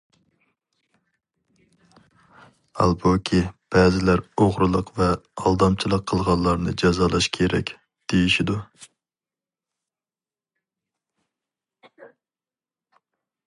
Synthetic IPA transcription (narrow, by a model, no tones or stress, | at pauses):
ɑ̰lˠbokʲʰib̥ɛːzɪlæɾoʁɾɨlˠəqvɛɑlˠd̪ɑmt͡ʃʰilˠəqʰːəlˠʁɑllˠɑɾnɨd͡ʒɑzɑlˠɑʃkʲʰeɾɛ̰kʲ | d̪̥ejiʃid̪u